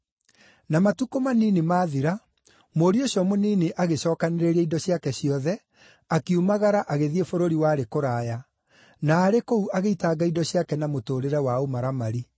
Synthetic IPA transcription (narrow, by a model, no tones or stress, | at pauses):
namatukomaninemaːðiɾa | moɾioɕjɔmoniːneʔaɣeɕɔːkaneɾeɾɛidɔɕiakɛɕiɔðɛ | akiumaɣaɾaʔaɣeðiefoɾoɾiwaɾekoɾaːja | naːɾekouʔaɣeitaːɡaidɔɕiakɛnamotoːɾeɾɛwaomaɾamaɾi